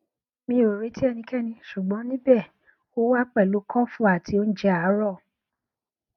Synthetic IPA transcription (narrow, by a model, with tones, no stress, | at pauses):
mĩ˧˦o˨ɾe˨˦ti˦ɛ˦˨nĩ˧kɛ˦˨nĩ˧ʃu˨ɡ͡bɔ̃˨˦nĩ˦bɛ˦˨ | o˦wa˦k͡pɛ˦˨lo˨˦kɔ̃˦fũ˦a˨ti˧o˦n̩˦d͡ʒɛ˦a˨˦ɾɔ˦˨